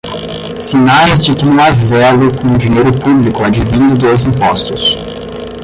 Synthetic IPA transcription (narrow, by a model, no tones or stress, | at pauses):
sinazd͡ʒɪkɪnũw̃azɛlʊknũd͡ʒiɲejɾʊpublikʊad͡ʒivĩnd̪ʊd̪ojzĩpɔst̪ʊs